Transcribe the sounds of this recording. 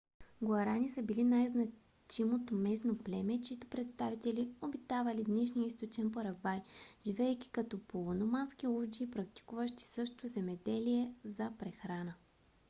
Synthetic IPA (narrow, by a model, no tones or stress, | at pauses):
ɡoɐɾanisəbilinajznɐ | t͡ʃimot̪omɛsnoplɛmɛt͡ʃiit̪ʊ̥pɾɛt̪st̪avit̪ɛliobit̪avɐlid̪nɛʃ̬nijəist̪ot͡ʃɛnpoɾɐɡvajʒ̥ivɛɛjk̟ʲi̥kɐt̪ɔpʰoonomansk̟iolˠd͡ʒiːpɾɐk̚t̪i̥kuvəʃt̪i̥sɤʃt̪ozɛmɛd̪ɛliɛzɐpɾɛxɾanə